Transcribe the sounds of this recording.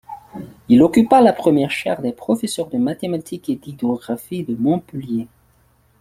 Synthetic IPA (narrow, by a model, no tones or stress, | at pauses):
ilɔkypalapχəmjɛʁʃaʁd̪ɛpχɔfesœʁd̪əmat̪emat̪ʰiked̪id̪ɔɡʁafid̪əmɔ̃pəlje